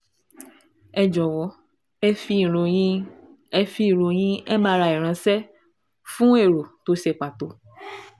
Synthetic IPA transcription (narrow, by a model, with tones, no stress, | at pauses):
ɛ˧d͡ʒɔ˨wɔ˨˦˧ | i˧˨ɾo˨ĩ˦ | ɛ˧fi˧i˨ɾo˨j̃ĩ˦ɛ˦mã˧ɾa˧˨i˨ɾ̃ã˧˦sɛ˦ | fũ˦e˦˨ɾo˨to˨˦ʃe˧k͡pa˨to˨˦